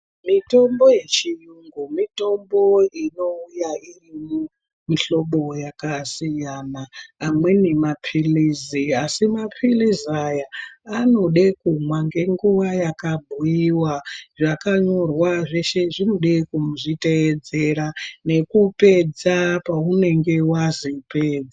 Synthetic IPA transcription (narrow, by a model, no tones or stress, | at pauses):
mito̞mbo̞je̞t͡ʃijuŋɡumito̞mbo̞ino̞ujairimo | miɬo̞ɓo̞jakasijanaːmwe̞nemapʰiliziasimapʰilizajaːno̞ɗekumwaŋɡe̞ŋɡuʋajakabʱujiwaʐakaɲo̞rwaʐe̞ʃe̞ʐino̞ɗekumuʐite̞ːd͡ze̞ɾane̞kupe̞d͡zapaune̞ŋɡe̞wazipeːd͡za